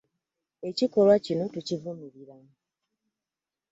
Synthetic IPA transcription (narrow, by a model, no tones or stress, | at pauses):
e̞ciko̞lwacino̞tucivumiɾiɾamu